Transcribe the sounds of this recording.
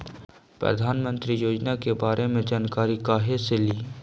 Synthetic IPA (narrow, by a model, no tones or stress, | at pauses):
pɾə̰d̪ʱaːnmə̃nt̪ɾijoːd͡ʒnakebaːɾemẽd͡ʒaːnkaːɾikaːɦeseliː